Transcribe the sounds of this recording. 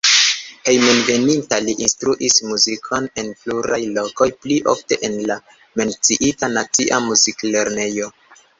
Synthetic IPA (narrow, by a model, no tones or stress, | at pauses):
he̞jmonve̞nintaliʔinstɾuʔismuzikʰo̞ne̞npluɾajlo̞ko̞jpliʔo̰fte̞ʔenla | me̞nt͡siʔitanat͡siʔamuzikle̞ɾne̞jo̞